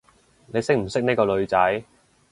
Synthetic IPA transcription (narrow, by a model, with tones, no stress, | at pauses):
ne˨˧jsɪ˥k̚m̩˨˩sɪ˥k̚ni˥kɔː˧lɵ˨˧ɥt͡sɐ˨˥j